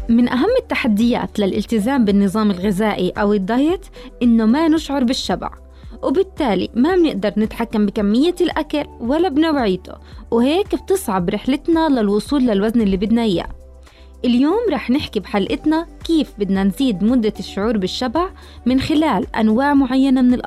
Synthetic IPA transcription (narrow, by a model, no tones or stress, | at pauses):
mɪnʔaɦamːɪt̪ːaħad̪ːɪja̰ːt̪lalʔɪ̰lt̪ɪzaːmbɪnːɨðˤɑːmɪlɣɪzaːʔiʔawɪd̪ˤːɑjt̪ | ʔɪnːomanɪʃʕʊɾˤbɪʃːaba̰ʕ | wbɪt̪ːaːlḭmabnɪʔd̪ɑɾˤnɪt̪ħakːambɪkamːɪjːalʔakalwalːabnawʕiːt̪o̰wheːkb̚t̪ɨsˤʕɑbɾɪħlɪt̪nalalwʊsˤuːlːalwaznɪlːiːbɪd̪nahɪja̰ | ʔɪljoːmɾˤɑːħnɪħkibħalʔɪt̪nakiːfbɪd̪nanziːd̪mʊd̪ːaʃːʊʕuːɾˤbɪʃːabaʕ | mɪnxɪlaːlʔa̰nwaːʕmʊʕajːanamɪnɪlʔɑˤ